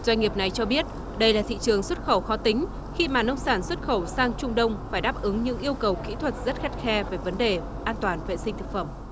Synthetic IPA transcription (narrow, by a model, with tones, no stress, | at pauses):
zwa˧jŋ̟ŋi˨˩əp̚na˨˩jt͡ɕɔ˧ɓi˦˥ət̚ | ɗə˧jlaː˨˩t̪ʰḭ˧˨t͡ɕɨ˨˩əŋswə˦˥t̚xə˧˩wxɔ˨˦t̪ï˨˦ŋ̟ | xi˧maː˨˩nə˧wŋ͡msaː˧˩nswə˦˥t̚xə˧˩wsaː˧ŋt͡ɕʊ˧ŋ͡mɗə˧wŋ͡mfaː˧˩jɗaː˦˥p̚ʔɨ˨˦ŋɲɨ̰˧˥ŋʔi˧əwkə˨˩wkḭ˧˥t̪ʰwə˨˩t̚zə˦˥t̚xa˦˥t̚xɛ˧ve˨˩və˨˦nɗe˨˩ | ʔaː˧nt̪waː˨˩nvḛ˧˨sï̟˧t̪ɨ˨˩k̚fə˧˩m